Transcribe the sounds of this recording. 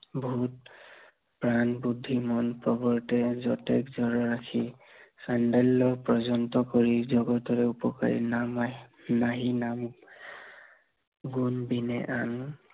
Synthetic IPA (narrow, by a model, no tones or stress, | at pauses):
bʱuut̚ | pɹanbudʱːimɔnpɹɔbɔɹtɛzɔtɛkzɔɹɔɹakʰi | sandɛlːɔpɹɔzɔntɔkɔɹizɔɡɔtɔɹɛupɔka̰ɹḭnam | naɦinam | ɡunbinɛ̰ʔan